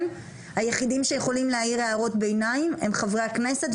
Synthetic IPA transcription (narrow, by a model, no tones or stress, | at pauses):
m | hajeχid̪imʃe̞jeχo̞limleaiʁeaʁo̞tbe̞jnaime̞mχavʁakne̞set